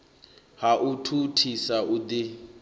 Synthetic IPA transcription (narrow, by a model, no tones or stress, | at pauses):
haʔutʰutʰisaud̪i